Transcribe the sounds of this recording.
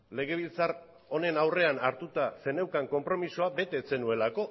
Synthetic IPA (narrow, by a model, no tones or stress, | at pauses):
le̞ɣ̞e̞β̞ilt͡sar | o̞ne̞nawre̞anaɾt̪ut̪ase̞ne̞wkaŋko̞mpɾo̞misoabe̞t̪e̞t͡se̞nue̞lako̞